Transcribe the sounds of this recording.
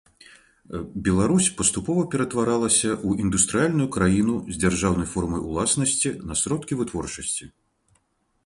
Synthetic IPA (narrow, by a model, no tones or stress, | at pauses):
bʲɛlˠaɾusʲpɐst̪upɔvɐpʲɛɾɐt̪vaɾalˠɐsʲɐʔuʔind̪ust̪ɾɨjalʲnujukɾajinuzʲd͡zʲarʐawnɐjfɔrmɐjṵlˠasnɐsʲt͡sʲinɐsɾɔt̪kʲivɨt̪vɔrt͡ʂɐsʲt͡sʲi